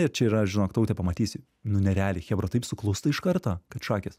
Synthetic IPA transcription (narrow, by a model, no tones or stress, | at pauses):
ɪɾt͡ʃʲɛiːɾɐʒʲɪnoːkt̪ɐʊt̪ʲɛpɐmɐt̪ʲiːsʲɪ | nʊnʲɛɾʲæːlʲɪxʲɛbɾɐt̪ɐɪpsʊklˠʊst̪ɐɪʃkɐrt̪oːkɐt̪ʃɑːkʲɛs